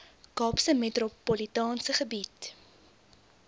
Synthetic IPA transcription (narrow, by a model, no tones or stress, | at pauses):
kɑːpsəmetropolitɑːnsəχəbit